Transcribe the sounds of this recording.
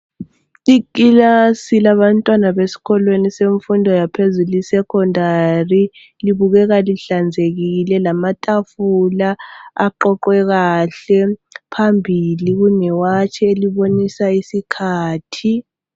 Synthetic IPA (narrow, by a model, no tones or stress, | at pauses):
ikʼilasilaβantʼwanaβesi̥kʰɔlweniseɱfundʱɔjapʰezulisɛkʰɔndʱari | liβuɣɛɣaliɬand͡zʱeɣiilɛlamatʼafulaaǃɔǃwɛɣaɬɛpʰambʱiliɣ̬unɛwat͡ʃʰɛeliβonisaisikʰaːtʰi